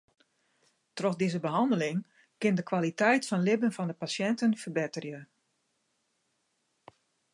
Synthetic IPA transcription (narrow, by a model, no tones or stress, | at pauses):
trɔxdɪzəbəɦɑndəlɪŋ | kɪndəkʋalitɛjtfɔnlɪbənfɑndəpasjɛntənfərbɪtərjə